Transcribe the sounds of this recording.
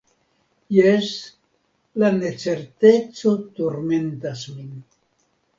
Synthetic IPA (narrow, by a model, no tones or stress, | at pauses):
jes | lane̞t͡se̞ɾt̪e̞t͡so̞toɾme̞ntasmin